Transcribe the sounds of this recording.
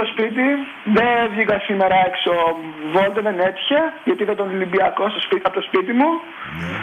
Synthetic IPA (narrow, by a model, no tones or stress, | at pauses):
ospit̪̬i | ðevʝikɐsime̞ɾɐeksovolt̪eðenet̪çɐʝɐt̪iiθɐt̪onlimbiɐko̞st̪ospiɐpot̪ospit̪̬imu